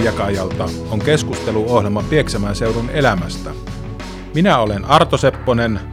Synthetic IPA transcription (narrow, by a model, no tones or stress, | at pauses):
jɑkɑjɑlt̪ɑ | oŋke̞skust̪e̞luohlemɑpieksæmæːnse̞wɾune̞læmæst̪æ | minæolenɑrt̪osepːonen